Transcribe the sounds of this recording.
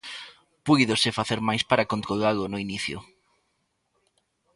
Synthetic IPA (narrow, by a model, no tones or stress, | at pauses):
pujðosɪfaθeɾmajspaɾakont̪ɾoɣalʊnʊiniθjʊ̰